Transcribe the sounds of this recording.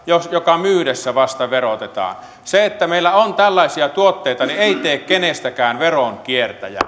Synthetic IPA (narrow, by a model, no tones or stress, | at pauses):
josjokɑmyːɾesːæʋɑst̪ɑʋerot̪et̪ɑ̰ːn | seet̪ːæmeˑilːæont̪ælːɑˑesiɑt̪uot̪ːeit̪ɑnieit̪eːkkenest̪ækæːnʋeroŋkiert̪æjæ̰